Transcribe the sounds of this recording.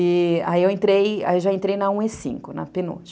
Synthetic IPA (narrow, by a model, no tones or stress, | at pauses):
ɪa̰iewẽnt̪ɾeja̰ewʒaẽnt̪ɾejnɐũesḭ̃ŋkʊnɐ̰peno̰t͡ʃ